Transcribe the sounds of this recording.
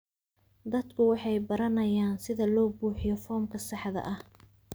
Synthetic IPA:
d̪ɐd̪kʰʊwɑħɑjbɐɾɐnɐjaːnsɪðɐlɔːbuːħɪjɔfɔːmkʰɐsɑħðɐ̰ʔɐh

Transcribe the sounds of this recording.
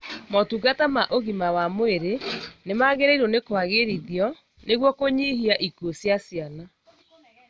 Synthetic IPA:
mɔtuɡatamaʔoɣimawamoeɾenemaɣeɾaiɾonekwaɣeɾiðjɔ | neɣwɔkoɲiɦiaʔikuosjasiana

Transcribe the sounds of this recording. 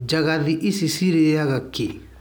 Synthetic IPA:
d͡ʒaɣaðiʔisisiɾijaɣake

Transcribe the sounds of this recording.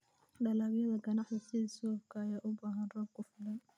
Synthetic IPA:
ɗɐlaːβjɐðɐɡɐnɑħðɐsɪðɐsɔːfkʰɐːjaːʔʊbaːɦɐnrɔːbkʰʊfɪlɐn

